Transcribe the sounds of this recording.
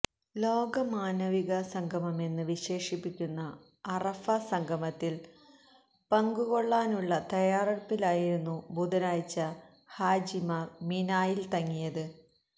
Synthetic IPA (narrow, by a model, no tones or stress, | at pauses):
lo̞ːɡɐmaːnɐʋiɣɐsɐŋɡʱɐmɐme̞nːɨʋiɕe̞ːʂipːikʲːunːɐː | rɐfɐsɐŋɡʱɐmɐt̪ːil | pɐŋɡuɣo̞ɭːaːnuɭːɐt̪ɐjaːrɐɽɐpːilaːjiɾunːubʱud̪ɐnaːjt͡ɕːɐ | haːd͡ʑimɐminaːjilt̪ɐŋːijɐðɨ